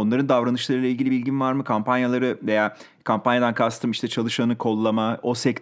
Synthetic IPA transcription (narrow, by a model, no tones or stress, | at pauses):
onˠaɾɯnd̪avɾanɯʃlˠaɾɯlˠailʲɟilʲibilʲɟinvaɾmɯkʰampʰanjalˠaɾɯve̞jaː | kʰampanjad̪ankʰast̪ʰɯmiʃt̪ʰɛt͡ʃʰalˠɯʃanɯkʰo̞lˠːamao̞sɛc̪